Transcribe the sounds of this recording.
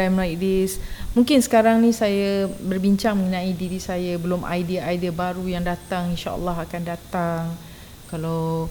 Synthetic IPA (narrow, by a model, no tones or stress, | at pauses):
ajmlajk̚dismũŋkɪnsə̥kaɾaŋnĩsajabərbiɲt͡ʃaŋmə̃ŋənãidiɾisajabəlʊmʔa̰jdiaajdəbaɾujaŋdat̪aŋinʃaə̰lːɑɦakandat̪aŋ | kalaw